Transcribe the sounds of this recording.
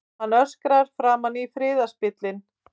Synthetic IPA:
hanːœskɾaɾ̥fɾaːmanːifɾɪːðaspɪt̪lɪn

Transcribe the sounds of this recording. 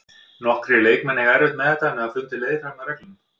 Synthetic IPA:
nɔhkɾɪleːjkmɛnːɪɣɛɾvɪht̪mɛðɛt̪anɛðaðflʏnt̪ɪleːjðɪfamaɾɛklin

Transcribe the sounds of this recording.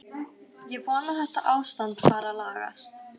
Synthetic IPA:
jɛvɔːnaθɛht̪aʔaːwst̪ant̪faːɾalaːɣa̰st̪

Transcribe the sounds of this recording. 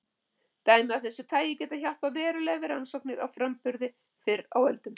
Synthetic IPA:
t̪aːjmɪaθɛsːʏ̥t̪ʰaːjɪcɛːt̪açal̥pavɛːɾʏlɛɣvɪɾansɔwk̚nɪɾa̰wfɾampʏɾðɪ | fɪɾa̰wœlt̪ʏm

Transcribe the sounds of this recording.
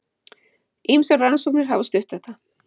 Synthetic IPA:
imsaranasuknɪɾ̥ɦavɔst̪ʏht̪θɛht̪ːa

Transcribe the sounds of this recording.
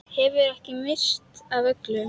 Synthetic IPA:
hɛvʏɾɛhcɪmɪst̪avœklʏ

